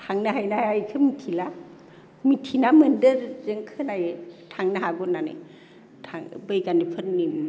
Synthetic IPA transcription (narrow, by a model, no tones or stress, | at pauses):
tʰaŋnaɦajnaajkʰɯmitʰila | mitʰinamɯndɯɾzeŋkʰɯnajtʰaŋnaɦaɡɔnanḛ | tʰaŋbɯjɡanipʰɯnnim